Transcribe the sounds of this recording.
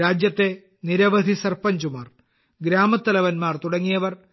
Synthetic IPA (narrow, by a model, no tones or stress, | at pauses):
aːd͡ʑjɐt̪ːe̞ | niɾɐʋɐd̪ʱisɐrpɐɲd͡ʑumaːr | ɡɾaːmɐt̪ːɐlɐʋɐnmaːrt̪uɽɐŋːijɐʋɐr